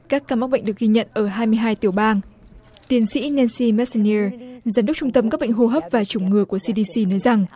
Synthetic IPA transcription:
kaː˦˥kːaː˧ma˦˥k̚ɓə̰˧˨ŋ̟ɗɨ˨˩ək̚ɣi˧ɲə̰˧˨nʔəː˧˩ɦaː˧jmɨ˧əjɦaː˧jt̪i˧˩əwɓaː˧n | t̪i˨˦ənsḭ˧˥nɛ˧nsi˧mɛ˦˥t̚sni˧zaː˨˦mɗk͡p̚t͡ɕʊ˧ŋ͡mt̪ə˧mkaː˦˥ɓ̰ŋ̟ɦo˧ɦəː˦˥p̚vaː˨˩t͡ɕʊ˨˧˩ŋ͡mŋɨ˨˩əku˧˩əsi˧ɗi˧si˧nɔ˨˦jza˨˩ŋ

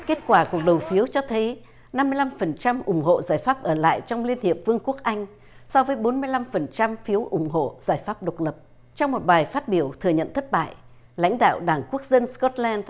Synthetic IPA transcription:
ke˦˥t̚kwaː˧˩ku˨˩ək̚ɗə˨˩wfi˨˦əwt͡ɕɔ˧t̪ʰə˨˦j | na˧mːɨ˧əjla˧mfə˨˩nt͡ɕa˧mʔʊ˨˧˩ŋ͡mɦo̰˧˨zaː˧˩jfaː˦˥p̚ʔəː˧˩la̰ː˧˨jt͡ɕɔ˧wŋ͡mli˧ənhi˨˩əp̚vɨ˧əŋku˦˥ək̚ʔa˧jŋ̟ | sɔ˧vəː˨˦jɓo˨˦nmɨ˧əjla˧mfə˨˩nt͡ɕa˧mfi˨˦əwʔʊ˨˧˩ŋ͡mɦo̰˧˨z̥aː˧˩jfaː˦˥p̚ɗə˨˩k͡p̚lə˨˩p̚ | t͡ɕɔ˧wŋ͡mmo˨˩t̚ɓaː˨˩jfaː˦˥t̚ɓi˧˩əwt̪ʰɨ˨˩əɲə̰˧˨nt̪ʰə˦˥t̚ɓa̰ː˧˨j | la̰˧˥jŋ̟ɗa̰ː˧˨wɗaː˧˩ŋku˦˥ək̚zə˧nskɔ˦˥t̚lɛː˧nd

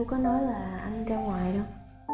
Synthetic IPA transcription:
wkɔ˨˦nɔ˨˦jlaː˨˩ʔa˧nt͡ɕa˧ŋ͡mŋwaː˨˩jɗə˧w

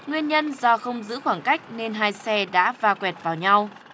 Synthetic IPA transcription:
ŋwi˧ənɲə˧nzɔ˧xə˧wŋ͡mzɨ̰˧˥xwaː˧˩ŋka˦˥jk̟̚ne˧nɦaː˧jsɛ˧ɗa̰ː˧˥vaː˨˩kwɛ˨˩t̚vaː˨˩wɲa˧w

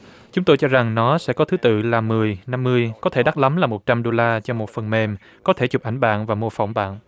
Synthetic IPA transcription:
t͡ɕʊ˨˦ŋ͡mt̪o˧jt͡ɕɔ˧za˨˩ŋnɔ˨˦sɛ̰˧˥kɔ˨˦t̪ʰɨ˨˦t̪ɨ̰˧˨laː˨˩mɨ˨˩əjna˧mːɨ˧əjkɔ˨˦t̪ʰe˧˩ɗa˦˥la˨˦mlaː˨˩mo˨˩t̚t͡ɕa˧mɗo˧laː˧t͡ɕɔ˧mo˨˩t̚fə˨˩nme˧m | kɔ˨˦t̪ʰe˧˩t͡ɕʊ˨˩k͡p̚ʔa˧˩jŋ̟ɓa̰ː˧˨nvaː˨˩mo˧əfa̰˧˩wŋ͡mɓa̰ː˧˨nʔ

